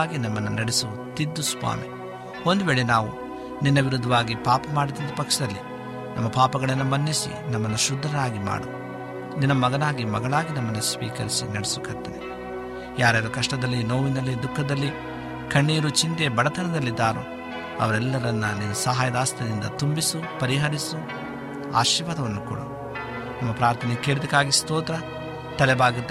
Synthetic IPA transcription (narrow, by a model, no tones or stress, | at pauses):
ɡinɐmːɐnːunɐɽesu | t̪id̪ːuspa̰ːnu | o̞nd̪uʋeːɭenaːʋu | ninːɐʋiɾud̪ʱːɐʋaːɡipaːpɐmaːɽit̪ɐnt̪ɐpɐkʂɐd̪ɐlːḭ | nʔɐmːɐpaːpɐɡɐɭɐnːumɐnːisḭnɐmːɐnːuʃud̪ʱːɐnaːɡima̰ːɽu | ninːɐmɐɡɐnaːɡimɐ̰ɡɐɭaːɡinɐmːɐnːusʋḭːkɐɾisinɐɽɛsukɐt̪ːɐni | jaːɾɛːɾɐkɐʂʈɐd̪ɐlːinoːʋinɐlːid̪ukʰːɐd̪ɐlːi | kɐɳːiːɾut͡ʃint̪ebɐɽɐt̪ʰɐnɐd̪ɐlːid̪ːaːɾṵ | ɐ̰ʋɐɾɛlːɐɾɐnːɐninɐsɐɦaːjɐd̪aːst̪ʰɐd̪ind̪ɐ̰t̪umbisupɐɾiɦɐɾisu | a̰ːʃiːʋad̪ɐʋɐnːukṵːɽɐ | nɐmːɐpɾaːɾt̪ʰɐnɛkeːɭud̪ikːaːɡist̪oːt̪ɾɐ | t̪ɐlɛbaːɡut̪ːɐ